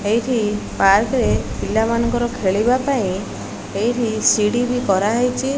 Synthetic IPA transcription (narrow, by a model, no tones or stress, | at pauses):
ejʈʰipaɾkɾepilːamanɔŋkɔɾɔkʰeɭibapaĩ | ejʈʰisiɽibikɔɾaɦɔjt͡ʃʰi